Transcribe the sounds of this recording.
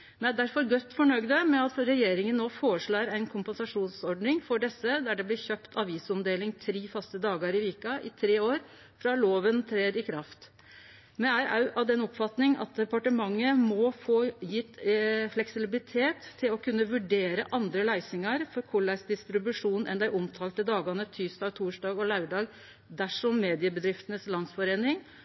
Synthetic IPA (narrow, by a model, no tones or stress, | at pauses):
mɛnæd̪æɾfɔɾɡɔt̪ːfɔɳœɡd̪əmɛɑt̪ɾɛjeːɾɪŋənːoːfoːɾəʂɭɑːɾæɪnkʰʊmpənsɑʂuːnsɔɾɖnɪŋfɔɖɛsːəd̪æɖɛblɪɾçøːpt̪ʰɑʋiːsɔmd̪eːlɪŋt̪ʰɾiːfɑst̪əd̪ɑːɡəɾɪʋiːkɑʔɪt̪ʰɾeːoːɾ | fɾɑloːʋənt̪ʰɾeːɾɪkʰɾɑft̪ | mɛæɾɑʉʔɑʋd̪ɛnɔpfɑt̪nɪŋɑ̰t̪̚d̪ɛpɑʈəmɑŋːəmɔfoːjɪt̪ːflɛksɪlbɪlɪt̪ʰeːt̪ʰːɪlɔkʰʉnːəʋʉɖeːɾəʔɑnd̪ɾəlæɪsɪŋɑɾfɔɾkʰʊɭːæsd̪ɪst̪ɾɪbʉʂuːnʔɛ̰nd̪æɪʔɔmt̪ʰɑːlt̪əd̪ɑːɡɑnət̪ʰyːsd̪ɑːɡt̪ʰuːʂdɑːɡɔlæʉɖɑːɡ | d̪æʂɔmːeːd̪ɪəbəd̪ɾɪft̪ənəslɑnsfɔɾeːnɪŋ